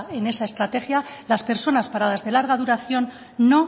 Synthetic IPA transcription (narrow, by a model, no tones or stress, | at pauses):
e̞ne̞sae̞st̪ɾat̪e̞xjalaspe̞ɾso̞naspaɾað̞azðe̞laɾɣ̞aðuɾaθjo̞nː | o̞